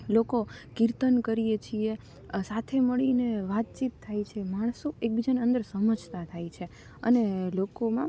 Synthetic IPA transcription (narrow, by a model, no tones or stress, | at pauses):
lokokiɾt̪ənkəɾijet͡ʃʰie | sat̪ʰeməɭineʋat̪̚t͡ʃit̪ʰːajt͡ʃʰemaɳ̃soek̚bid͡ʒaneə̃nd̪əɾsəməd͡ʒt̪at̪ʰajt͡ʃʰe | ə̰nelokomã